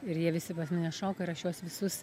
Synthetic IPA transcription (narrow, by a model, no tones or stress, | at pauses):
ɪɾjiɛʋʲɪsʲɪpɐsʲmʲɪnʲɛʃoːkɐɪɾɐʃjuɔsʋʲɪsʊs